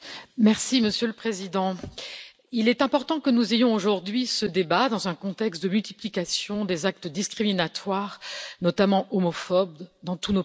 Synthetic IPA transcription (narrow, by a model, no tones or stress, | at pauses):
mɛʁsiməsjøləpχezid̪ɑ̃ | ilɛt̪ɛ̃pɔʁt̪ɑ̃kənuzejɔ̃oʒuʁd̪ɥisəd̪ebad̪ɑ̃zɛ̃kɔ̃t̪ɛkst̪̚d̪əmylt̪iplikʲasjɔ̃d̪ezak̚t̪əd̪iskχiminat̪waʁnɔt̪amɑ̃ʔomɔfɔb̚d̪ɑ̃t̪uno